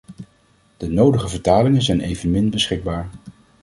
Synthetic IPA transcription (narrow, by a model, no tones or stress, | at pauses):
d̥ənowdəχəvəɹtaːlɪŋənzɛjnejvənmɪnbəsχɪɡ̚baːɹ